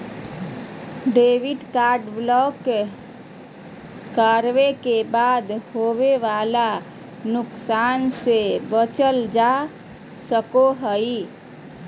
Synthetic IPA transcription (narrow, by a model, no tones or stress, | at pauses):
ɖeʋiɖkaɾɖblɔk | əɾʋekebad̪hoβeʋala | nʊksansebət͡ʃəld͡ʒa | səkoɦəj